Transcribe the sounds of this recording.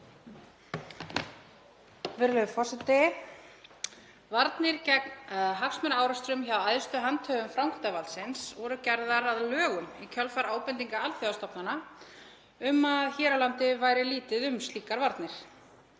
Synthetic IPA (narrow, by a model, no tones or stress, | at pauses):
vɪɾlœðfɔrsɪt̪ɪ | vaɾt̪nɪɾcɛk̚nðɦaksmɛnaːwɾast̪ɾʏmçawajðʏst̪ʏɦant̪ʰœːɣʏmfɾawŋkʰt̪avalt̪sɪnsvɔɾʏcɛɾðaɾaðlœːɣʏmicʰœlfaɾaːwpɛnt̪iŋkaaltθʏast̪ɔpnana | ʏmaðçɛːɾalant̪ɪvajɾɪliːt̪ɪðʏmst̪liːkaɾvaɾt̪nɪɾ̥